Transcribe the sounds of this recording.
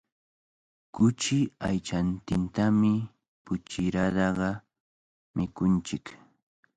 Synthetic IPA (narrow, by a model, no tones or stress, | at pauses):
kʊt͡ʃɪajt͡ʃant̪ɪnt̪amɪ | pʊt͡ʃɪɾad̪ɑɢɑ | mɪkʊnt͡ʃɪk